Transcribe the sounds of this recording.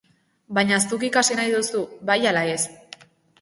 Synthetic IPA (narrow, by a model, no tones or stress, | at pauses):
baɲaest̪uk̬ikasinajðusuβajalae̞s